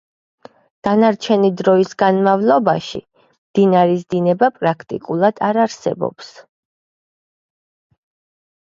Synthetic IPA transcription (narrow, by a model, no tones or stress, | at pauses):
d̪̥anaɾt͡ʃʰɛnid̪ɾɔisɡanmavlˠɔbaʃḭ | md̪̥inaɾizd̪inɛbapʼɾakʰt̪ʼḭkʼulˠad̪̥aɾaɾsɛ̰bɔ̰ps